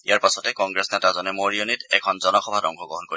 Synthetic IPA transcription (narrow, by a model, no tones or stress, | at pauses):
ijaɹpasɔtɛkɔŋɡɹɛsnɛtazɔnɛmoɹijonitɛkʰɔnzɔnɔxʰɔbʱatɔ̰ŋkʰɔɡɹɔɦɔnkoɹi